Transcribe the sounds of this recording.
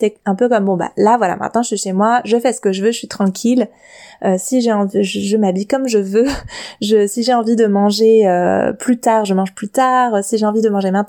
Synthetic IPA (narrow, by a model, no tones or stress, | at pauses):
sɛɛ̃pøkɔmbɔ̃ba̰lavwala̰mʔɛ̰̃t̪̚nɑ̃ʒəsɥiʃemwaʒəfɛsə̥kəʒəvøəsɥit̪χɑ̃kʲʰil | øsiʒeɑ̃viʒəʒəmabikɔmʒəvøʒəsiʒeɑ̃vid̪əmɑ̃ʒeø̰plyt̪aːʁʒəmɑ̃ʒplyt̪aːʁəsiʒeɑ̃vid̪əmɑ̃ʒemɛ̃t̪